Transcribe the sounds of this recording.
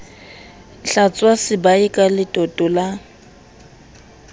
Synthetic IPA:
ɬat͡sʼwasɪbaikʼalɪtʼɔtʼɔla

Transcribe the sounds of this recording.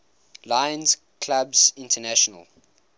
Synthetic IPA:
laɪə̃nz | kʰlabzɪ̃ntʰənæʃɔnə̰lˠ

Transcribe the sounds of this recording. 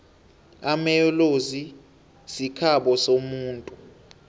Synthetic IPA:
amɛjɔlozi | sikʰaɓɔsomuːntʼu

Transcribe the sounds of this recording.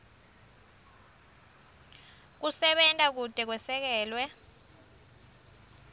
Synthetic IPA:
k̬usɛɓɛntʼak̬ud̥ʱɛk̬wɛsɛk̬ɛːlwɛ

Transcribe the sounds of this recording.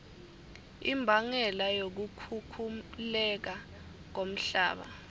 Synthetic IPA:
ḭmbʱaŋɛlajok̬ukʰukʰulɛk̬a | k̬om̩ɬa̰ːɓa̰

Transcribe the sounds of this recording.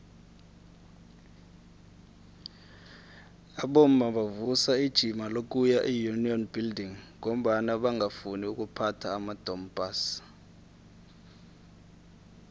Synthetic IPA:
aɓom̩maɓavusaid̥ʒ̥ʱimalok̬ʼujaʔijuniɔnb̥ʱildiŋŋom̩ɓanaɓaŋafuniuk̬ʼupʰatʰaːmad̥ʱɔmb̥ʱaːs

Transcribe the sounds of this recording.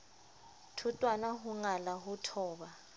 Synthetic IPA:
tʰutʼwanaɦuŋalaɦutʰɔːɓa

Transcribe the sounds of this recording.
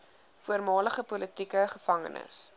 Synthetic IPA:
fuərmɑːləχəpɔlətikəχəfɐŋə̰nʔə̰s

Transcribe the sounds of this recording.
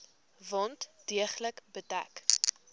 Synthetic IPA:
vɑntd̥iəχləkbətæ̰k

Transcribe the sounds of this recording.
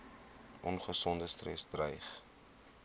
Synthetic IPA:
ʔɔnχəsɔndəstrɛ̰sdrəjχ

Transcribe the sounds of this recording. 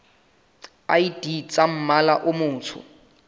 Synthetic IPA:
a̰idit͡sʼam̩malaʔʊmʊːt͡sʰʊ̰

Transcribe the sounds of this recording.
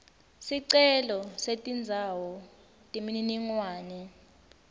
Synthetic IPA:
siǀɛlɔsetʼind͡zʱawɔ | tʼimininiŋwaːnɛ

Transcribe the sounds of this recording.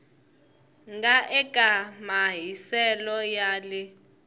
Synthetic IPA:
ŋɡaʔɛkʼamaɦisɛlɔjaːlɪ

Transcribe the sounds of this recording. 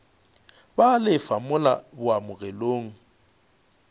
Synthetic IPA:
balɪfamʊla̰bʊamʊɣɛloːŋ̩

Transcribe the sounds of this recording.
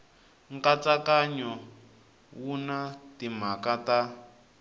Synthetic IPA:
ŋkat͡sakaɲɔ | wunatim̤akata

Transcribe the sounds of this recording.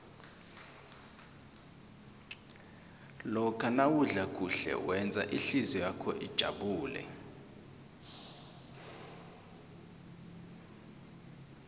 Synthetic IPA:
lɔkʰanawuɮakʼuɬɛ̰wɛnd͡zʱa̰ʔiɬizɔjakʰɔʔid̥ʒ̥ʱa̰ɓuːlɛ̰

